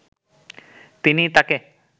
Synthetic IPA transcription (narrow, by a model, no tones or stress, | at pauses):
t̪init̪ake